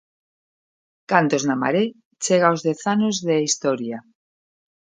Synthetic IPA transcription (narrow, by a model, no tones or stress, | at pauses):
kant̪oznama̰ɾe | t͡ʃeɣ̞aozðeθanozðeist̪oɾja